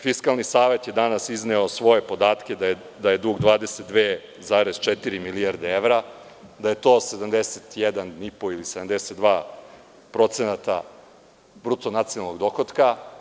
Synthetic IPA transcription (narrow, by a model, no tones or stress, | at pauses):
fiskalˠnisaːʋe̞t̪je̞d̪anasizneosʋo̞je̞po̞d̪aːt̪kʲe̞d̪a | d̪aje̞d̪uːɡd̪ʋaːd̪eset̪̚d̪ʋeː | zaːɾez̥t͡ʃet̪iɾimiliaɾd̪eeʋɾa | d̪aje̞t̪o̞ːse̞d̪amd̪eset̪jɛd̪anipo̞ilised̪amd̪eset̪d̪ʋaː | pɾo̞t̪senat̪a̰ | bɾut̪onat̪sionalˠnoɡd̪oxot̪ka